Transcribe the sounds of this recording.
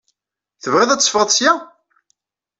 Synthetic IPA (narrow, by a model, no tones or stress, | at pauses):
θəvʁɪðˤæt͡sːfʁəðˤsjæ